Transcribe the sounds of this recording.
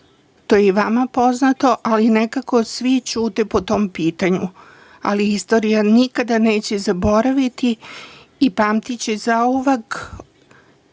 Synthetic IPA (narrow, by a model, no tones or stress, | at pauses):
t̪ojeʋamapo̞znat̪o̞ʔaline̞kako̞sʋit͡ʃuːt̪epot̪o̞mpiːt̪aɲu | a̰liist̪o̞ɾijanikad̪ane̞ːt͡ɕe̞zabo̞ɾaʋit̪iː | paːmt̪it͡ɕezaoʋak